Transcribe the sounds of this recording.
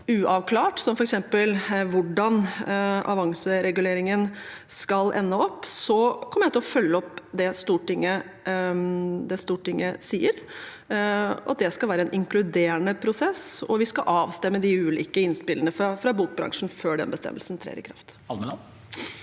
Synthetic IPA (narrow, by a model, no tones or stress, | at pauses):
ʉːʔɑʋkʰlɑːʈsɔmfɔɾɛksɛmpəlʋʊɖɑnʔɑ̰ʋɑŋsəɾɛɡʉleːɾɪŋən | skɑlʔɛ̰nːəɔpːsɔkʰɔmːəjæt̪ʰɪlɔfœlːəɔpːd̪ɛst̪uːʈɪŋːə | d̪ɛst̪uːʈɪŋːəsiːəɾ | ɑ̰t̪̚d̪ɛskɑlʋæːɾəɛnʔɪŋklʉd̪eːəɳəpʰɾʊsɛsɔ̰ʋɪskɑʔɑːʋst̪ɛmːəd̪ɪʉːlḭːkəɪnspɪlːənəfɾɑfɾɑbuːk̚bɾɑ̰ŋʂn̩føːɖɛ̰nbəst̪ɛ̰mːəlsn̩t̪ʰɾḛːɾɪ̰kʰɾɑ̰ft̪ɑlmɛ